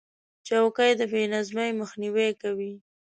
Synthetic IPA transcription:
t͡ʃawkəjd̪əbenazmajməxniwekawi

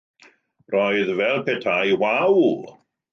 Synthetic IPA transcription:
rɔɨðvɛlˠpʰɛtʰajwawl

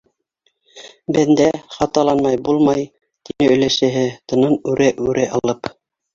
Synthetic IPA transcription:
bænd̪æχɑt̪ɑlˠɑnmɑjbulˠmɑj | t̪inɘɵ̆læʃɘ̆ɦɘt̪ɤ̆nɤnʉɾæʔʉɾʔæʔɑlˠɤp

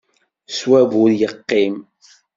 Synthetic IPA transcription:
swævʊɾjəqːim

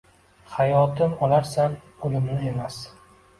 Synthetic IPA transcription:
hajɒt̪ɪmɒlaɾsan | olɪmnɪe̞mas

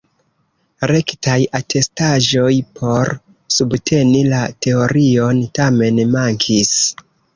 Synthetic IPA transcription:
ɾe̞ktajatʰe̞staʒo̞jpʰo̞ɾ | subtʰe̞nilate̞o̞ɾio̞ntame̞nmaŋkʰis

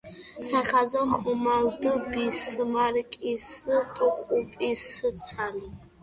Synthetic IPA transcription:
saχʲazaχʊmaldɨbisɨmarkʼisɨtʼʊqʷʼupʼisɨt͡sʰani

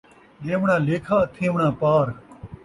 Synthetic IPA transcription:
ɗẽːʋɳãːleːkʰaːt̪ʰẽːʋɳãːpaːɾ

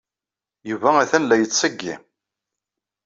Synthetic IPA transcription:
juvææθænlæjət͡sːəɡːḭ

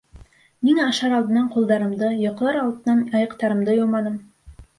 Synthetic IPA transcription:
minɑʃɑɾɑlˠd̪ɤ̆nɑɴqulˠd̪ɑɾɤ̆md̪ɤjŏqɤɾɑlˠd̪ɤ̆nɑnɑjɤ̆qt̪ɑɾɤ̆md̪ɤjomɑnɤm

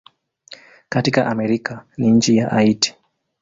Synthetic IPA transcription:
katikaʔamɛɾikaniɲ̩t͡ʃijaʔaiti̥

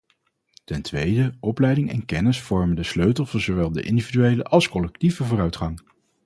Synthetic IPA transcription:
tɛntʋejdəʔɔplɛjdɪŋɛ̰nkɛnɪsfɔɹməndəsløɥtəlˠvɔnzoʋɛlˠdə̰ʔɪ̰ndividyejlə̰ʔɑlˠskɔlɛk̚tivəvʊːrœɥtχɑŋ

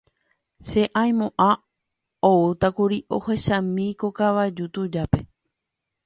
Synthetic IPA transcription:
se̞ʔãj̃mõʔã | out̪akuɾiʔo̰heʃãmĩkokaʋaed͡ʒut̪ud͡ʒape̞

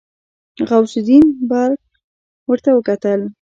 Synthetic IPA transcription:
ɣawsʊd̪inbaɾk̚ | wəɾt̪awəkat̪əl

